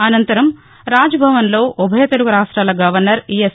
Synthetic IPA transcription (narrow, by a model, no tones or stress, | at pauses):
ɐnɐnt̪ɐɾɐm | ɾaːd͡ʒɐbʱɐʋɐnlo̞ːʔubʱɐjɐt̪ɐɽuɡuɾaːʂʈɾaːlɐɡɐʋɐɾnɐɾies